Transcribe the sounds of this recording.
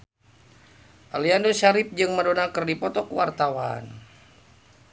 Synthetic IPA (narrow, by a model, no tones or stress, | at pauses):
ʔaliandoʃaɾɪp̚d͡ʒɨŋmədonakərdipɔt̪ɔkəwart̪awa̰n